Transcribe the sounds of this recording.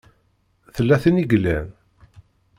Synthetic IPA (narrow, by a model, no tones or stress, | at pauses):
θəlːæθiniɡlːæn